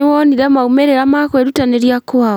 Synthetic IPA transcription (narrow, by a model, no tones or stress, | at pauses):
wɔniɾɛmaumeɾeɾamakweɾutaneɾjakoa